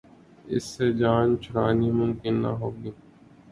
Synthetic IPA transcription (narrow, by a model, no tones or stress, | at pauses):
ɪ̰sːed͡ʒaːnt͡ʃʰʊɾaːnimʊmkɪnːa̰ɦoːɡiː